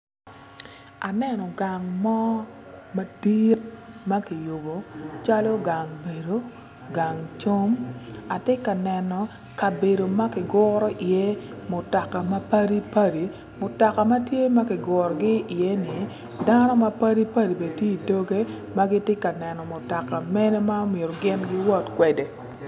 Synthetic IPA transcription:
a˨nɛ˦nɔ˨ɡa˨ŋmɔ˦ | ma˨d̥i˦t̚ma˦ki˨jo˨bo˨t͡ʃa˦lo˦ɡa˨ŋbe˨do˦ | ɡa˨ŋt͡ʃo˦ma˨tɪ˦ka˨nɛ˨nɔ˨ | ka˨be˨do˨ma˦kɪ˨ɡʊ˦ɾɔ˦ʔi˨je˦mʊ˨tɔ˨ka˨ma˦pa˦ɾi˦pa˦ɾi˨ | mʊ˨tɔ˨ka˨ma˦tje˦ma˦kɪ˨ɡɔ˨ɾɔ˨ɡɪ˦i˨je˦nɪ˨ | da˦nɔ˦ma˦pa˦ɾi˦pa˦di˨be˨tje˦i˨do˦ɡe˦ | ma˦ɡɪ˦tɪ˦ka˨nɛ˨nɔ˨mʊ˨tɔ˨ka˨mɛ˦nɛ˦ma˦o˦me˨ɾɔ˨ɡɪ˦nɡɪ˦wɔ˦tkwɛ˨de˨

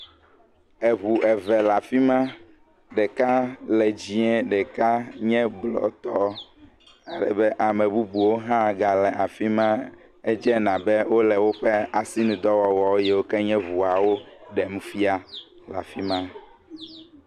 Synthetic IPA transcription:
ɛ˨βu˨ʔɛ˨vɛ˨la˨fi˦mã˦ | ɖɛ˨ka˦lɛ˨d͡ʑi˦ɛ̃˦ɖɛ˨ka˦ɲɛ̃˦blɔ̰˨t̪ɔ˦ | a˨ɖɛ̰˨bɛ˦ʔa˨mɛ̃˨bu˦bu˨wo˦ɦã˦ɡa˨lɛ˨ʔa˨fi˦mã˦ | ɛ˦d͡ʒɛ˦nã˨bɛ˦wo˦lɛ˨wo˦ɸɛ˦a˨si˦nũ˨d̪ɔ˦wɔ˨wɔ˨˦jɛ˨wo˦kɛ˦ɲɛ̃˦βu˨a˨wo˦ɖɛ˨mũ˦fi˦a˦ | la̰˨fi˦mã˦

